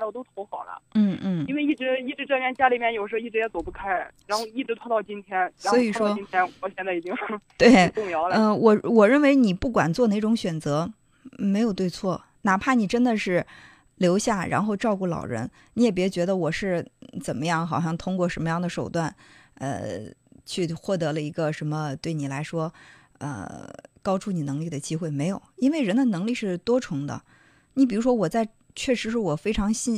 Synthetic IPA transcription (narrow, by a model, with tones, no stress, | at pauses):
lo˥˩t̪o˥ʊt̪ʰo˧˥ʊxɑ˨˩ʊlə̰˦n̩˥˩n̩˥˩i˥nwe˥˧ɪi˥˩ʈ͡ʂɻ̩˧˥i˥˩ʈ͡ʂɻ̩˧˥ʈ͡ʂɤ˥˧mjɛ˥˩nt͡ɕja˥li˨˩mjɛ˥˩njo˨˩ʂ̩˧˥˧i˥˩ɻ̩˧˩jɛ˧˥t͡so˨˩ʊpu˥˩kʰa˥ɪɻa˧˥nxo˥˧ʊi˥˩ʈ͡ʂɻ̩˧˥t̪ʰwɑ˥˧˥t̪ɑ˥˩ʊt͡ɕi˥nt̪ʰjɛ˥nsa˧˥xwɔ˧˥ii˨˩ʂʂwɔ˥i˥n˥t̪ʰjɛ˥nɔ˨˩˦ɕjɛ˥˧nt͡sa˥˩˨t͡ɕi˥ŋʂt̪we˥˩ɪʊ˥˧ŋjɑ˧˥ʊlə˥˧˩wʔɔ˨˩wɔ˨˩ɻə˥˩nwe˧˥ɪni˨˩pu˥˩kwa˨˩nt͡swɔ˥˧ne˥˩ɪʈ͡ʂʊ˧˥ŋɕɥɛ˨˩nt͡sɤ˧˥ | me˧˥ɪjo˨˩ʊt̪we˥˧ɪt͡sʰwɔ˥˩ | na˨˩pʰa˥˩ni˨˩ʈ͡ʂə˥nd̪ə˨ʂɻ̩˥˩ | ljo˧˥ʊɕja˥˩ɻa̰˧˥nxo˥˧ʊʈ͡ʂɑ˥˧ʊku˥˩lɑ̰˨˩ʊɻə̰˧˥n | ni˧˥jɛ˨˩p̬jɛ˧˥t͡ɕɥɛ˧˥d̪ə˧wɔ˨˩ʂɻ̩˥˩t͡sə˨˩mə˦jɑ˥˩ŋxɑ˨˩ʊɕjɑ˥˩ŋt̪ʰʊ˥ŋkwɔ˥˩ʂə˧˥nmə˧jɑ˥˩ŋd̪ə˩ʂo˨˩ʊt̪wa˥˩nə̰˧t͡ɕʰy˥˧xwɔ˥˩t̪ɤ˧˥lə˧i˧˥ɡə˧ʂə˧˥mə˧t̪we˥˩ɪni˨˩la˧˥ɪʂwɔ˥ | ə̰˧kɑ˥ʊʈ͡ʂʰu˥˩ni˨˩nɤ˧˥ŋli˥˩d̪ə˩t͡ɕi˥xwe˥˩ɪme˧˥ɪjo˨˩ʊi˥nwe˥˩ɪɻə˧˥nd̪ə˧nɤ˧˥ŋli˥˧ʂɻ̩˥˩t̪wɔ˥ʈ͡ʂʰʊ˧˥ŋd̪ə̰˧ | ni˧˥pi˨˩ɻu˧˥ʂwɔ˥wɔ˨˩t͡sa˥˧ɪ | t͡ɕʰɥɛ˥˩ʂɻ̩˧˥ʂɻ̩˥˩wɔ˨˩fe˥ɪʈ͡ʂʰɑ˧˥ŋɕi˥˩